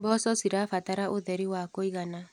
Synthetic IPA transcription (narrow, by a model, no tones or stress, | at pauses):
bɔsɔsiɾafataɾaʔoðɛɾiwakoiɣana